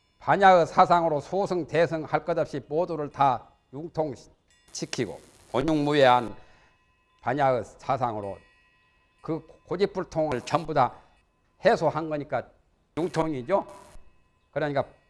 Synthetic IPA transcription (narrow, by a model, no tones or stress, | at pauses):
paɲaɯsʰasʰaŋɯɾosʰosʰɯŋtesʰɯŋhaɭk͈ʌdʌp̚ɕ͈imoduɾɯɭta | juŋtʰoŋ | t͡ɕʰikʰiɡo̰ | koɲuŋmueɦan | paɲaɯsʰasʰaŋɯɾo̰ | kɯkod͡ʑip͈ʰuɭtʰoŋɯɭt͡ɕʌmboda | hesʰohanɡʌɲik͈a | juŋtʰoŋid͡ʑo | kɯɾʌɲik͈a